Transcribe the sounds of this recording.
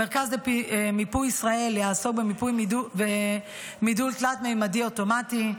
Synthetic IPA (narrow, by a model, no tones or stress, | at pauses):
meʁkazlepimipujisʁae̞ljaːso̞k̚bemipujube | midulklatmejmadio̞to̞mati